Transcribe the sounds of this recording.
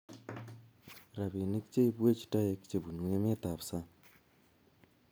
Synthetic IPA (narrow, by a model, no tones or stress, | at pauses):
ɾaβeːneki̥ceiβweːci̥tajeki̥t͡ʃeβunuwemet̪aβusa